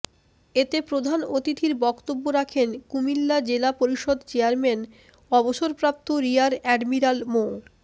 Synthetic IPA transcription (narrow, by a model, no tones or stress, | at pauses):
et̪epɾod̪ʱanot̪it̪iɾbɔkt̪obːoɾakʰenkumilːad͡ʑelapoɾiʃod̪t͡ɕeaɾmɛn | ɔboʃoɾpɾap̚t̪oɾiaɾɛɖmiɾalmo